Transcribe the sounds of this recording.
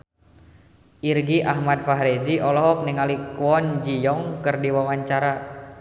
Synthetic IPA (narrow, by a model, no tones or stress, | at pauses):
ʔirɡiʔaɦmad̚faɦɾed͡ʒiʔɔlɔɦɔk̚niŋalikuɔnd͡ʒijɔŋkərdiwawaɲt͡ʃaɾa